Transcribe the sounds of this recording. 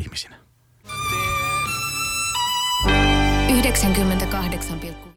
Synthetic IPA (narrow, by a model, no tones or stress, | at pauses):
misi̥næ | yhde̞ksæŋkymːent̪ækɑɦde̞ksɑmpilkːu